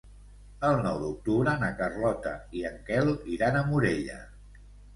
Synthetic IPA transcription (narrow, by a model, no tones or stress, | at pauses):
əlˠnɔwd̪uk̚t̪uβɾənakərlɔt̪ə̰iəŋkɛliɾanəmuɾeʎə̰